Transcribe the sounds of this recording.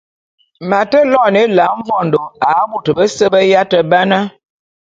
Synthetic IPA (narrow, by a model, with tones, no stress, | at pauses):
ma˨tə˦lɔ˦˨ne˦la˨˦ɱ˦vɔ˦˨ndo˨a˨˦bu˨tə˨bə˦sə˦bə˦ja˦tə˨ba˦na˦